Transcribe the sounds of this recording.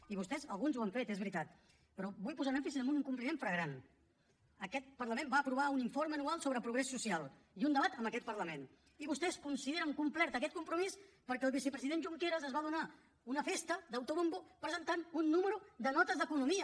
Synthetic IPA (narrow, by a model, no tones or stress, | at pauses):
iβust̪ɛzəlˠɣunzuaɱfet̪ezβɾit̪at̪ | pəɾɔbujpuzanɛmfisizəmbuniŋkumplimeɱfɾəɣɾan | əkɛt̪̚pəɾləmẽmbaːpɾuβauniɱfoɾməənualˠsoβɾəpɾuɣɾɛsːusialˠ | iund̪əβat̪əmbəkɛt̪̚pəɾləmen | iβust̪ɛskunsiðeɾəŋkumplɛɾt̪əkɛt̪̚kumpɾumis | pəɾkɛəlˠβisəpɾəziðenʒuŋkeɾəzəzβað̞una | unəfest̪əd̪əwt̪oβombopɾəzənt̪anunːuməɾud̪ənɔt̪əzðəkunumiə